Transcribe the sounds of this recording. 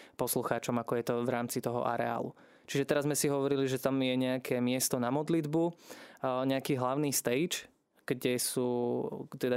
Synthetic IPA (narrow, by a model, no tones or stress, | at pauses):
pɔsluxaːt͡ʃɔmakɔjɛt̪ɔʋɾaːmt͡sit̪ɔɦɔ̰ʔa̰ɾɛ̰a̰ːlṵ | t͡ʃiʒɛt̪ɛɾazmɛsiɦɔʋɔɾiliʒɛt̪amjɛɲɛakʰɛmɪɛst̪ɔnamɔd̪lid̪bu | ɲɛakiːɦlaʊniːst̪ɛjt͡ʃ | ɡ̥ɟɛsuːt̪ɛd̪a